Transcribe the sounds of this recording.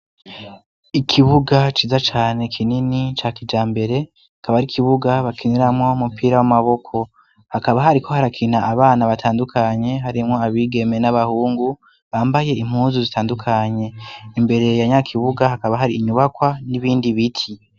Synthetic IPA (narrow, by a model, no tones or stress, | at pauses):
ikʰiβuɡat͡ʃiːzat͡ʃaːne̞kʰininit͡ʃakid͡ʒaːmbe̞ɾe̞ | hakaβaɾikʰiβuɡaβakʰiniɾamŋo̞mupiːɾawamaβo̞kʰo̞ | hakaβaɦaɾikʰo̞haɾakʰin̥aʔːβaːnaβatʰaːndukʰaɲe̞ɦaɾimŋo̞aβiːɡe̞me̞naβahuːŋɡu | βaːmbaje̞im̥huːnzuzitaːndukʰaɲe̞imbe̞ɾe̞jaɲakʰiβuɡahakaβaɦaɾiːɲuβakwaniβiːndiβitʰi